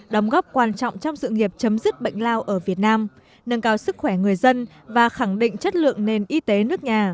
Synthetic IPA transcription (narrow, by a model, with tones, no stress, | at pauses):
ɗə˨˦wŋ͡mɣɔ˦˥p̚kwaː˨˩nt͡ɕɔ̰˧˨wŋ͡mt͡ɕɔ˧wŋ͡msɨ̰˧˨ŋi˨˩əp̚t͡ɕə˨˦mzi˦˥t̚ɓə̰˧˨jŋ̟laː˧wʔəː˧˩vi˨˩ət̚naː˧m | nə˧ŋkaː˨˧˦wsɨ˦˥k̚xwɛ˧˩ŋɨ˨˩əjzə˧n | vaː˨˩xa˧˩ŋɗḭ̈˧˨ŋ̟t͡ɕə˦˥t̚lɨ̰˧˨əŋne˨˩nʔi˧t̪e˨˦nɨ˦˥ək̚ɲaː˨˩